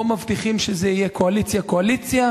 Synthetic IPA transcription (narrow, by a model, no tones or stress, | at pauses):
mavt̪iχimʃezeijekʰoalit͡sjako̞alit͡sja